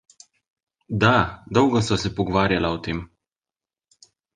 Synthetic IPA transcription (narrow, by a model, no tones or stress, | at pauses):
d̪ad̪ɔwɡɔsasɛpɔɡɔʋaːɾjalaɔt̪eːm